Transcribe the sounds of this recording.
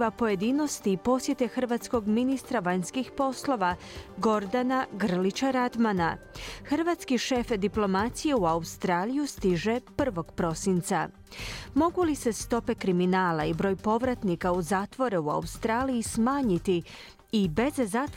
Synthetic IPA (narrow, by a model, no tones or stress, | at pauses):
ʋapo̞je̞d̪iːno̞st̪iːpo̞sje̞t̪e̞xrʋaːt̪sko̞ɡminist̪ɾaʋaɲskixpo̞slˠo̞ʋa | ɡo̞ɾd̪anaɡr̩lit͡ɕaɾad̪manaxrʋat̪skiʃefd̪iplˠo̞mat̪sije̞uaust̪ɾaːlijust̪iʒe̞pr̩ʋo̞ɡ̥pɾo̞sint̪sa | mo̞ɡulise̞st̪o̞pe̞kɾiminaːlaibɾo̞ːjpo̞ʋɾat̪nikauzaːt̪ʋo̞ɾeua̰ust̪ɾaːlijismaːɲit̪i | ibe̞zzaːt̪